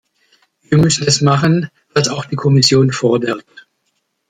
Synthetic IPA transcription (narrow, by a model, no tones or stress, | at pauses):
viːɐmʏsn̩ɛsmaχən | v̥asaʊxd̥iːkʰɔmɪsjoːnfoːɐdɛɐk̚t